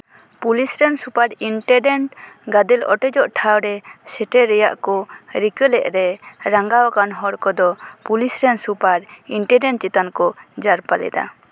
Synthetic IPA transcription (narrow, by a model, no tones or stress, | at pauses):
pulisɾɛnsupaɾiɳʈɛɖɛɳʈɡad̪ɛlɔ̰ʈɛd͡ʒɔʔʈʰawɾɛsɛʈɛɾɛja̰ʔkɔɾikəlɛʔɾɛɾaŋɡawakanɦɔɽkɔd̪ɔpulisɾɛnsupaɾiɳʈɛɖɛɳʈ̚t͡ʃit̪ankɔd͡ʒaɾpalɛ̰d̪a̰